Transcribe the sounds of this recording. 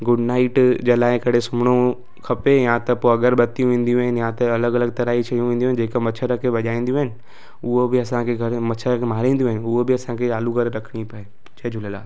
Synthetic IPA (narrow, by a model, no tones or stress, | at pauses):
ɡʊɖnaːɪʈd͡ʑɐlaːɪ̃kɐɽ̤esʊmɽ̃o | kʰɐpejãt̪ɐpoɐɡəɾbɐt̪ijũʋẽːn̆d̪ijũɦɪnɪjãt̪ɐɐləɡɐləɡ̚t̪ɐɾaːit͡ʃʰɐijũʋẽːn̆d̪ũɦɪnd͡ʒeːkamɐt͡ʃʰəɾakʰeʋɐʄaːĩːn̆d̪jũɦɪnɪ̆ | ʊɦobɪɐsãkʰeɡʱɐɾmɐt͡ʃʰəɾakʰemaːɾĩːn̆d̪jũɦɪnɪʊɦobɪɐsãkʰeaːluɡʱɐɾɾɐkʰɽ̃ipɐe | t͡ʃɐd͡ʒʱʊləla̰ː